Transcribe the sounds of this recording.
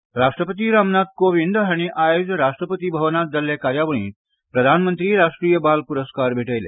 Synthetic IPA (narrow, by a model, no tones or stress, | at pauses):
ɾaʂʈɾəpət̪̬iːɾamnad̪̚koʋind̪ɦaɽ̃iʔajod͡ʑɾaʂʈɾəpət̪iːbʱəʋnat̪̚d͡zalːekaɾjaʋəɳ̃ĩːt̪ | pɾəd̪ʱanmənt̪ɾiːɾaʂʈɾiːjəbalpuɾəskaɾbʱeʈəjlḛ